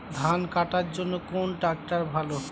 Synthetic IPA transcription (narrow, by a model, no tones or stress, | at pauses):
d̪ʱankaʈaɾd͡ʑonːokonʈɾak̚ʈaɾbʱalo